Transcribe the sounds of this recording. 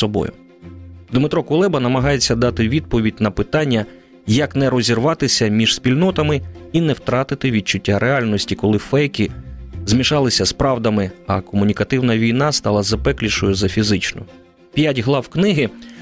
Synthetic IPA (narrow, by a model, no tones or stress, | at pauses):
ɔbɔ̰jʊ̰ | d̪mɪt̪ɾɔkʊlˠɛbɐnɐmɐɦɑjet͡sʲːɐd̪ɑt̪ɪʋʲid̪̚pɔʋʲidʲnɐpɪt̪ɑnʲːɐ | jɐknɛɾɔzʲirʋɑt̪ɪsʲɐmʲiʒ̥spʲilʲnɔt̪ɐmɪinɛwt̪ɾɑt̪ɪt̪ɪʋʲid̪̚t͡ʃʊtʲːaɾʔeɑlʲnɔsʲtʲikɔlˠɪfɛjkʲizmʲiʃɑlˠɪsʲɐspɾɑwd̪ɐmɪɐkɔmʊnʲikɐt̪ɪwnɐʋʲijnɑst̪ɑlˠɐzɐpɛklʲiʃɔjʊzɐfʲizɪt͡ʃnʊ̰ | pʲjatʲɦlˠɑwknɪɦɪ